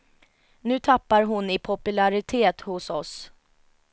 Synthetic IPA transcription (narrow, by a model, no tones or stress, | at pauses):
nʉ̟ːt̪ʰapːaɾɦʊnɪpʰɔpɵlaɾɪt̪ʰeːt̪hʊsɔs